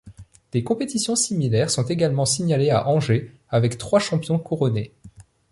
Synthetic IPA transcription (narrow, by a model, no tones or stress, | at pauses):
d̪̥ekɔ̃pet̪isjɔ̃similɛʁsɔ̃t̪eɡalmɑ̃siɲalea̰ʔɑ̃ʒe | avɛkt̪χwaʃɑ̃pjɔ̃kuʁɔne